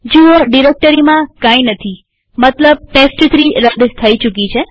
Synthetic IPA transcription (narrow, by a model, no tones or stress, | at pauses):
d͡ʒiʋoɖiɾek̚ʈəɾimãkãinət̪ʰi | mət̪ləb̚ʈesʈt̪ɾiɾəd̪st̪ʰəit͡ʃukit͡ʃʰe